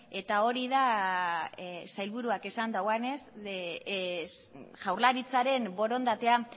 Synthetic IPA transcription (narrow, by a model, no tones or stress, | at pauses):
e̞t̪ao̞ɾiða | sajlβuɾuake̞sand̪awane̞s | ʝawɾlaɾit͡saɾe̞mbo̞ɾo̞nd̪at̪e̞a